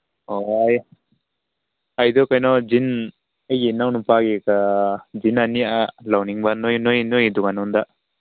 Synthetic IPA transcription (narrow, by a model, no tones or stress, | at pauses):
ɔj | ajd̪ɔkajnɔd͡ʒin | ajenawnupaɡekazinanialawniŋbanojnojnojdɔɡanɔnd̪a